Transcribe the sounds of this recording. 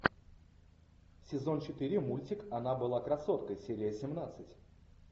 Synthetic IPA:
sʲɪzo̞nt͡ɕɪt̪ɨɾʲɪmulʲtʲɪkɐnabɨlˠakɾɐso̞t̪kəjsʲeɾʲɪjəsʲɪmnat̪sɨtʲ

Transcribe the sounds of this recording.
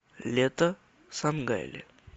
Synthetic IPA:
let̪ə | samɡa̰jlḛ

